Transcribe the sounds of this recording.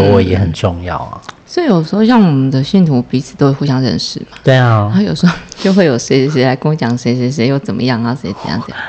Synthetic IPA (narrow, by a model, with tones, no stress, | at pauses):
we˥˧˩ɛ˨˧˥xə˨˩nʈ͡ʂʊ˥˧ŋjɑ̰˥˨˩ʊɐ̰˩swi˨˧jo˨˩ʊʂ̬̩˧˥xo˥˧ʊɕjɑ˥˩ŋwɔ˨˩mə˦nd̪ə˧ɕy˥˩nt̪ʰu˧˥pi˧˥t͡s̩̪ʰ˨˩o˥we˥˩xu˥˧ɕjɑ˥ŋɻə̰˧nʂɻ̩˥˩ma˦t̪we˥˩a˥jo˨˩ʊʂ̩˧˥o˥˧t͡ɕjo˥˧ʊxwe˥˩jo˨˩ʊʂe˧˥˧ʂ̬i˧˥la˧˥ɪkʊ˥ŋt͡ɕjɑ˨˩ŋʂe˧˥ɪʂɛ˧˥ʂ̬ɛ˧˥˦jo˥˩ʊt͡sə˨˩nmə̰˦jɑ˥˩ŋa˨sɛ˧˥˧t͡sə˨˩m̰˨˦jɑ̰˥˩ŋ˩˨˩